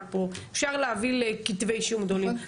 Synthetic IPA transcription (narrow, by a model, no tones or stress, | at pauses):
poefʃaʁleavilekit̪vejʃjumɡd̪olim